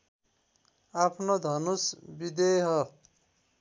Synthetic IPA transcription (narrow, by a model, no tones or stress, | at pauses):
apʰnod̪ʱʌnusbid̪eɦʌ